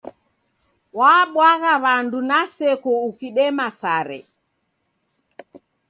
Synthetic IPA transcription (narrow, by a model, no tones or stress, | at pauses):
waːɓwaɣaβandunasɛkɔukiɗɛmasaɾɛ̰